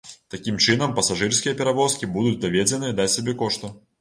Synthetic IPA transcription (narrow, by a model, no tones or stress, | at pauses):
t̪ɐkʲimt͡ʂɨnɐmpɐsaʐɨrsʲkʲijɐpʲɛɾavɔskʲibud̪ʊt͡sʲd̪ɐvʲed͡zʲɛnɨd̪at͡sʲsʲabʲɛkɔʂt̪u